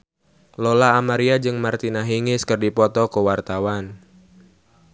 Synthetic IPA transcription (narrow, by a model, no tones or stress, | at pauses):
lolaːmaɾiad͡ʒɨŋmart̪inaɦiŋɪskərdipɔt̪ɔkuwart̪awan